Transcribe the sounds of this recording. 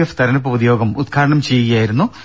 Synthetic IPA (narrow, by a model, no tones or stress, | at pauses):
eft̪ɐɾɐnɐp̬ːɐuðjo̞ːɡɐmut̪̚kʰaːɾɐɳɐmt͡ɕe̞jːuɣɐjaːjiɾunːu